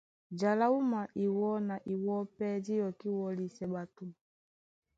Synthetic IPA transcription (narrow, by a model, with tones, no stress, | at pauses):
d͡ʒa˨la˦u˦ma˨ʔi˨wɔ˦na˨ʔi˨wɔ˦pɛ˦d͡ʒi˦jɔ˨ki˦wɔ˦li˨sɛ˨ɓa˨tu˦